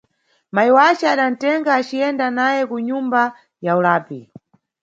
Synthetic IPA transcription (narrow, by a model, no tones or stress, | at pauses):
maiwat͡ʃɛaɗan̩tɛŋɡaːt͡ʃiɛndanajɛkuɲumba | jaulaːpi